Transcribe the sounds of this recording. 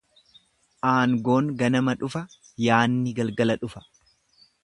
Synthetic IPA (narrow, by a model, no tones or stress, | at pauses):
ʔaːŋɡo̞ːŋɡɐnɐmɐᶑʊfɐ | jaːnːɪɡɐlɡɐlɐᶑʊfɐ̥